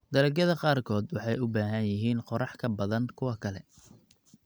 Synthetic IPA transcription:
d̪ɐɾɐɡɐðɐqɑːrkʰɔːd̪wɑħɑjʊbaːɦɐnjɪɦiːnqɔɾɑħkʰɐbɐðɐnkʰʊwɐkʰɐlɛ

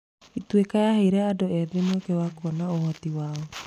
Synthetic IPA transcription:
itwekajaheɾɛadoɛðinokewakɔnaohɔtiwaːɔ

